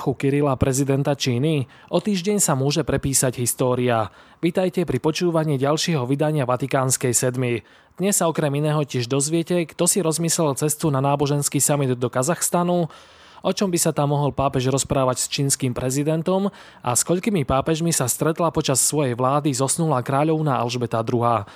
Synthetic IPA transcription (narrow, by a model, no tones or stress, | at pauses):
xukiɾilapɾɛzid̪ɛnt̪at͡ʃiːni | ʔɔt̪iːʒɟɛɲsamʊɔʒɛpɾɛpiːsaɟɦist̪ɔːɾia | ʋiːt̪ajcɛpɾipɔt͡ʃuːʋaɲiːɟalʃɪɛɦɔʋid̪aɲɪaʋat̪ikaːnskɛjsɛd̪mi | d̪̥ɲɛsːaɔkɾɛminɛːɦɔcɪɛʒd̪ɔzʋɪɛcɛkt̪ɔsiɾɔzmislɛlt͡sɛst̪unanaːbɔʒɛnskiːsamid̪ːɔkazaxst̪anu | ɔt͡ʃɔmbisat̪amːɔɦɔlpaːpɛʒɾɔspɾaːʋacst͡ʃiːnskimpɾɛzid̪ɛnt̪ɔm | a̰skɔʎkimipaːpɛʒmisast̪ɾɛt̪lapɔt͡ʃasːʋɔjɛjʋlaːd̪izɔsnulakɾaːʎɔʊnaʔa̰lʒbɛt̪ad̪ɾuɦaː